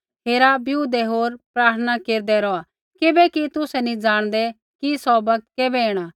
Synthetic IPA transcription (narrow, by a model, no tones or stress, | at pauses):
ɦʰeːɾabjuːd̪ɛɦoːɾpɾaːɾt̪ʰənakeːɾd̪ɛɾɔa | kɪbɛkit̪ʊsɛnĩd͡ʒaːɽ̃d̪ɛ | kisɔːbɐk̚t̪̚keːbɛeːɽ̃a